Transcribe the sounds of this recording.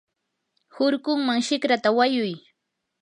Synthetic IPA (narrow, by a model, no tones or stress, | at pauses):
hʊɾkʊŋmaŋʃɪkɾat̪awajʊj